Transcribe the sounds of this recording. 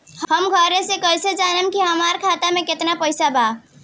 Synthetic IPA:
hhəmɡʱəɾesekəlsed͡ʒanemkiɦəmaɾkʰat̪amẽket̪napəɪsaba

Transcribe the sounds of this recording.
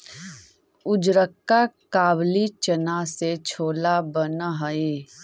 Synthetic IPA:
ʊd͡ʒɾəkːakaːblit͡ʃənaset͡ʃʰoːlabənɦəeː

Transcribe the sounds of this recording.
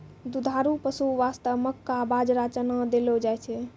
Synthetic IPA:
d̪ud̪ʱaɾupəsuʋast̪əʋməkːabad͡ʒɾat͡ʃənəd̪elod͡ʒajt͡ʃʰɛ

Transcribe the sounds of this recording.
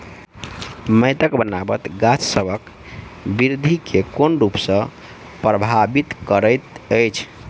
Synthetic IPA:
məɪt̪əkbənabə̰t̪ɡat͡ʃʰsəbʱək | biɾd̪ʱikʰekonɾupsə̃ | pɾəbʱabit̪kəɾəjt̪əjt͡ʃʰ

